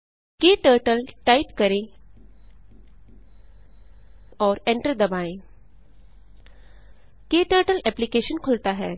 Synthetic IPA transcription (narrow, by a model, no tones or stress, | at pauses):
keːʈəːɾʈəlʈaːɪpkɐɾẽ | ɔːɾẽɳʈəɾd̪ɐbaːẽ | keːʈəːɾʈəlɛːplikeːʃənkʰʊlt̪aɦɛː